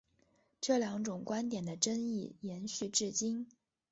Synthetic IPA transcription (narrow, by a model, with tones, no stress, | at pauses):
ʈ͡ʂɤ˥˩ljɑ˧˥ŋʈ͡ʂʊ˨˩ŋkwa˥nt̪jɛ˨˩nd̪ə˦ʈ͡ʂə˥ŋi˥˩jɛ˧˥nɕy˥˧ʈ͡ʂɻ̩˥˩t͡ɕi˥n